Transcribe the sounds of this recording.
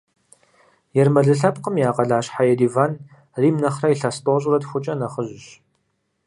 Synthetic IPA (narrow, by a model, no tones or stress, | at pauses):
jɛrmɐɮɨɬɐp̚qəmjaːqɐɮaːɕħajɛdivaːn | riːmnɐχraiɬastʼoɕʼrɐdxʷʊt͡ʃʼɐnɐχəʑɪɕ